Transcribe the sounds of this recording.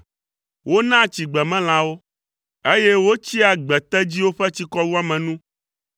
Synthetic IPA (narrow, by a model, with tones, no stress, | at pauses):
wo˦nã˦˨t͡ɕi˨ɡ͡bɛ˨mɛ̃˦l̃ã˨wo˦ | e˦je˦wo˦t͡ɕi˦a˨ɡ͡bɛ˨t̪ɛ˦d͡ʑi˦wo˦ɸɛ˦t͡ɕi˦kɔ˦wu˦a˦mɛ̃˨nũ˦